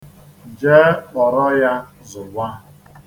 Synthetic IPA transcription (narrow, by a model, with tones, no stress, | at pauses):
d͡ʒeː˦k͡pɔ˨ɾɔ˦ja˦ | zʊ˨ɡʷa˦